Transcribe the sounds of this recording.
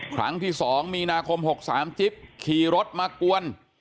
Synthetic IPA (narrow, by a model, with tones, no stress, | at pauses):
kʰɾa̰˦˥ŋt̪ʰiː˥˩sɔː˩˦ŋmiː˧naː˧kʰo˧mho˨˩k̚saː˩˦msi˦˩p̚kʰiː˨˩ɾo˦˥t̪̚maː˧ku˧ən